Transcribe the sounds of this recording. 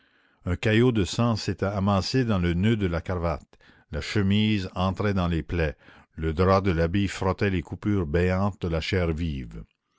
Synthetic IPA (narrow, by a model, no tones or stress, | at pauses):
œ̃kajod̪əsɑ̃set̪ɛamaːsed̪ɑ̃lənød̪əlakaʁvat̪ | laʃəmiːzɑ̃t̪ɾɛd̪ɑ̃leplɛ | ləd̪ɾwad̪əlabifɾɔt̪ɛlekupyːʁbɛjɑ̃ːt̪̚d̪əlaʃɛːʁviːv